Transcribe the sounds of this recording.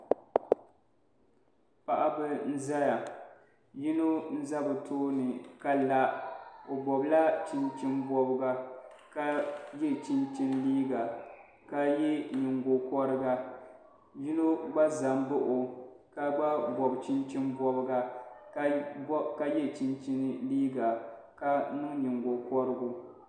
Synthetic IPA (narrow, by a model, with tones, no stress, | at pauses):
pa˨ʔa˦bɨ˦n̩˦za˦ja˨ | ji˦no˦n̩˦za˦bɨ˨tʰoː˦nɨ˨ka˨la˨o˨bɔ˨bla˦t͡ʃi˦nt͡ʃi˦nbɔ˦bɨ˦ɡa˨ | ka˦jɛ˦t͡ʃi˦nt͡ʃi˦nliː˦ɡa˨ | ka˦jɛ˦ɲɪ˨ŋɡo˨kɔ˦ɾɨ˦ɡa˦ | ji˦no˦ɡ͡ba˦za˨mbʊ˦ʔʊ˨ka˦ɡ͡ba˦bɔ˨bt͡ʃɪ˦nt͡ʃɪ˦nbɔ˦bɨ˦ɡa˨˦ | ka˦jɛ˦t͡ʃɪ˦nt͡ʃi˦nɨ˦liː˦ɡa˨ | ka˦nɨ˦ŋ˦ɲi˨ŋɡo˨kɔ˦ɾɨ˦ɡʊ˦